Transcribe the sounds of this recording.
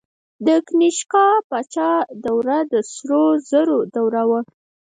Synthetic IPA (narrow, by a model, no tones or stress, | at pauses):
d̪əkniʃkɑpɑt͡ʃɑd̪awɾad̪əsɾozəɾod̪awɾawa